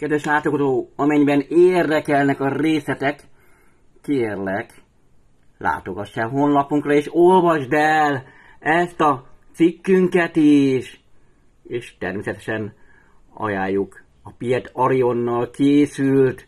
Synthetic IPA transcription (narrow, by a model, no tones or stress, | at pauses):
kɛd̪ʋɛʃlaːt̪oɡozoːɒmɛɲbɛneːrd̪ɛkɛlnɛkɒreːsɛt̪ɛkː | eːrlɛk | la̰ːt̪o̞ɡɒʃːaɦo̞nlɒpuŋkrɒeːʃo̞lvɒʒd̪ɛl | ɛst̪ɒt̪sikːyŋkɛt̪iʃ | eːʃt̪ɛ̰rmeːsɛt̪ɛ̥ʃɛn | ɒ̰jaːjːuk | ɒpiɛt̪ɒɾionːɒlkeːsylt̪